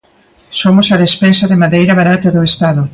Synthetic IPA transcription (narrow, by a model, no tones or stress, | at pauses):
somʊsaðespensaðemaðejɾɐβaɾat̪ɐðoest̪aðʊ